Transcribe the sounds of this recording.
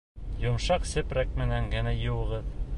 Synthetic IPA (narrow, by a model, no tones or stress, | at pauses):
jŏmʃɑqsɘ̆pɾæk̚mɘ̆næŋɡɘ̆næjŭwɤ̆ʁɤð